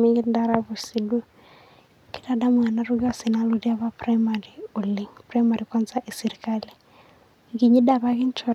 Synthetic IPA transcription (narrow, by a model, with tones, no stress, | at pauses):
mi˦ŋɡi˦da˦ɾa˦βu˨si˨du˦ | ki̥˦da˨da˦mwa˨na˦ɾu˦ɡa˦˨si˨na˦lo˦di˦a˦βa˦pra˦ma˨ɾi˨o˨li˨ŋpra˦ma˨ɾi˨kwa˦nza˦ʔi˨si˨ɾi˨ka˦li˨ | ki˨ɲi˦da˨βa˦ki˦n˦t͡ʃɔ˨